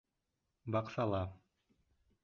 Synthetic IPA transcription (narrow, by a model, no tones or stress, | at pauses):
bɑqsɑlˠɑ